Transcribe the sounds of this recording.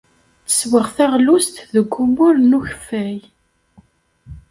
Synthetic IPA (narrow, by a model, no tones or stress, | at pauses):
t͡sə̥swəʁθæʁlust̪ðəɡʷːumʊɾnuçə̥fːæj